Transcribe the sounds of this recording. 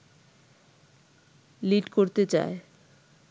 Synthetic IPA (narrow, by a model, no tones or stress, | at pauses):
liʈkoɾt̪et͡ɕa̰e